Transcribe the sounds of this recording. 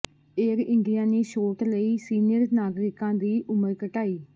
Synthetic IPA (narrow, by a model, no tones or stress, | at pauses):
eːɾɪ̃ɳɖijãːneːʃoːʈləiːsiːnɪjəɾnaːɡɾɪkãːd̪iːʔʊməɾkəʈaːiː